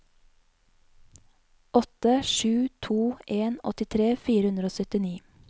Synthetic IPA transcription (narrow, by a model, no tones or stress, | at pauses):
ʔɔt̪əʃʉːt̪ʰuːʔeːnɔ̰t̪ɪt̪ʰɾeːfiːɾəhʉnd̪ɾəoːsœt̪ɪniː